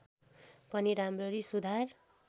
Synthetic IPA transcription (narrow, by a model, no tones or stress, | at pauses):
pʌniɾamrʌɾisud̪ʱar